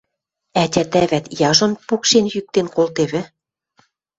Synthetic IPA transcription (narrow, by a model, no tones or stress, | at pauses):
æt̪ʲæt̪æβæt̪jɑʒɤ̆npukʃenjyk̚t̪enkolt̪eβɘ̆